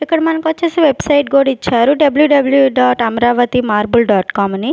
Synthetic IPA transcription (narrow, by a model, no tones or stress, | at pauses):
ikːɐɽɐmɐnɐŋkʋɐt͡ʃːeːseʋebsɐjʈɡoːɽit͡ʃːaːɾuɖɐbljuɖɐbljuɖaːʈɐmɾaːʋɐt̪imaːɾbulɖaːʈkaːmɐni